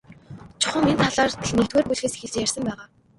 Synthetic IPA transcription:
t͡ɕʰʊ̥χə̆ŋent̪ʰaɮaːrt̪ʰenek̚t̪ɡeːrpuɮxeːsxeɮt͡ɕjær̥ʲsə̆mpæːʁaː

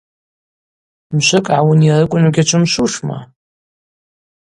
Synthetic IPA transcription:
mʃʷɨkʼʕawuniarɨkʷʼʊnuɡʲat͡ʃʷʰɨmʃʷuʂma̰

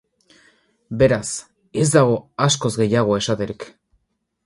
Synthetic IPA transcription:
be̞ɾas | e̞zd̪aɣ̞o̞asko̞zɡe̞jaɣ̞o̞e̞sat̪e̞ɾik

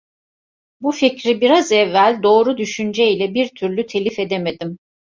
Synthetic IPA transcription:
buficɾibiɾazɛvːælʲd̪o̞ːɾud̪yʃynd͡ʒɛilʲɛbiɾt̪ʰyɾlʲyt̪ʰe̞lʲife̞d̪eme̞d̪im

